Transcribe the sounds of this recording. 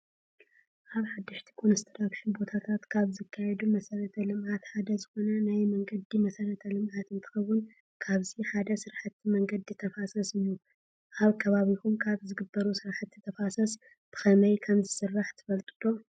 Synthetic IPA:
ʔaβħad̪ːɨʃt̪ʰi̥kʰʼonɨst̪ʰɨɾakʃinbo̞t̪ʰat̪ʰat̪kʰaβzɨkʰːajɛd̪umɐsɐɾɐt̪ʰɐlɨmʔat̪ħad̪ɐzɨxo̞nɐnajmɐŋɡɐd̪imɐsɐɾɐt̪ʰɐlɨmʕat̪ɨnt̪ʰɨ̥xɐwːʊn | kʰaβziħad̪ɐsɨɾħɨt̪ʰːimɐŋɡɐd̪ɨt̪ʰːɐfasɐsɨjːu | ʔaβkʰɐβaβikumkʰaβzɨɡɨbːɐɾusɨɾħɨt̪jɨt̪ʰːɐfasɐs | b̥ɨ̥xɐmɐjkʰɐmzɨsɨrːaħt̪ʰɨ̥fɐlt̪ʼɨ̥t̪ʰʼo̞

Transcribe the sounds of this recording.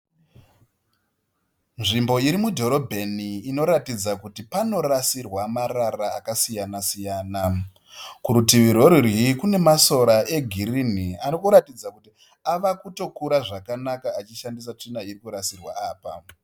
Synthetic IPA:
nʐimbo̞iɾimudʱo̞ɾo̞bʱeniːno̞ɾatid͡zakutipano̞rasirwamararaːkasijanasijaːna | kuɾutiʋiɾo̞ɾirikune̞maso̞ɾaʔe̞ɡʱirinianokuɾatid͡zakuti | aʋakuto̞kuɾaʐakanakaːt͡ʃiʃandisat͡ʂinaiɾikuɾasirwaaːpa̰

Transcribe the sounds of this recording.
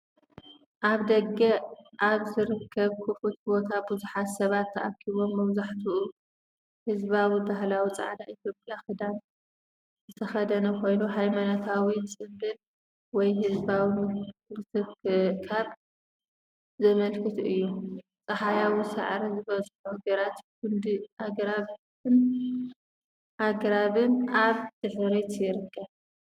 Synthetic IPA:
ʔaβd̪ɐɡɐʔaβzɨɾɨkʰːɐβkʰufut̪bo̞t̪ʰabuzuħat̪sɐβat̪ʰːɐʔakʰiβo̞mːɐβzaħt̪ʰuu | hɨzβawibaɦlawit͡sʼa̰ʕd̪aʔit̪ʰjo̞pʼjaxɨd̪an | zɨt̪ʰɐxɐd̪ɐnɐkʰo̞jnuɦajmanot̪ʰawit͡sʼɨmbɨn | wɔjɦɨzbawilɨt̪ʰɨkʰaβ | zɐmɐlkʰɨt̪ɨjːu | t͡sʼɐħajawisa̰ʕɾɐzɨβɐzħuhɡɐɾat̪kʊnd̪iʔaɡɾaβ | ɨn | ʔaɡɾaβɨnaβd̪̥ɨħɨɾet̪jɪɾɨkʰːɐβ

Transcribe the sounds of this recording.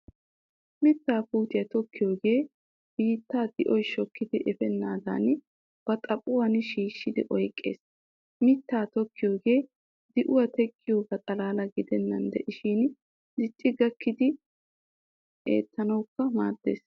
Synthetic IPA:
mɪt̪ːaːpuːt̪ɪjɐt̪ɔkːɪjo̞ːɡe̞ː | b̥iːt̪ːaːd̪ɪʔɔjʃɔkːɪd̪ɪʔɛfɛnːaːd̪a̰n | b̥ɐt̪ʼɐpʼːʊwɐnʃiːʃːɪd̪ɪʔɔjkʼːe̞̰ːs | mɪt̪ːaːt̪ɔkːɪjo̞ːɡe̞ː | d̪ɪʔʊwɐt̪ɛkʼːɪjo̞ːɡɐt̪ʼɐlaːlɐɡɪd̪ɛnːɐnd̪ɛʔɪʃiːn | dɪt͡ʃʼːɪɡɐkːɪd̪ɪ | ʔḛːt̪ːɐnɐwkːɐmaːd̪̥ːe̞̰ːs

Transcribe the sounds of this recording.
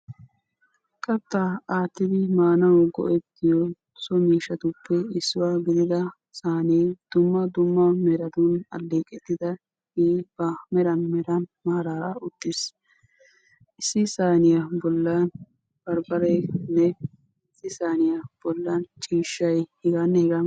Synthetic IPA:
kʼɐt̪ːaaːt̪ːɪd̪ɪmaːnɐwɡɔ̰ʔɛt̪ːɪjɔ | sɔmiːʃɐt̪ʊpːɛɪsːʊwaːɡɪd̪ɪd̪ɐ | saːned̪̥ʊmːɐd̪ʊmːɐmɛɾɐd̪ʊnɐ̰lːeːkʼɛt̪ːɪd̪ɐ | eːbɐmɛɾɐnmɛɾɐnmaːɾaːɾaʊt̪ːɪs | ʔɪsːɪsaːnɪjɐbɔlːɐn | b̥ɐɾbɐɾɛnːɛ | ɪsːɪsaːnɪjab̥ɔlːɐnt͡ʃʼiːʃːɐjhɪɡɐnːɛhɪɡɐ

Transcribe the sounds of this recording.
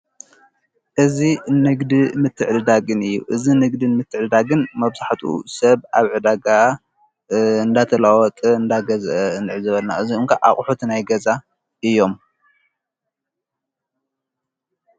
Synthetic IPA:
ʔɨzinɨɡd̪imɨt̪ʰːɨʕd̪ɨd̪aɡɨnɨjːṵʔɨzinɨɡd̪ɨnmɨt̪ʰːɨʕd̪ɨd̪aɡɨnmɐβz̥aħt̪ʰṵsɐβaβʕɨd̪aɡa | ɨnd̪at̪ʰɐlawɔt̪ʼɨɨnd̪aɡɐzʔɐɨnɨʕɨzɨβɐlna̰ʔɨziɨŋkʰaʔaχʼħut̪ʰnajɡɐza | ʔɨjːo̞m

